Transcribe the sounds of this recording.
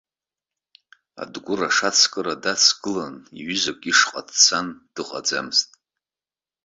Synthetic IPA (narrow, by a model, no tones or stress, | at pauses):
a̰dɡʷʊraʂat͡sʰkʼɨradat͡sʰɡ̥ɨlanḭɥʏzakʷʼiʂqʼadt͡sʰand̥ɨqʼa̰d͡za̰mɨztʼ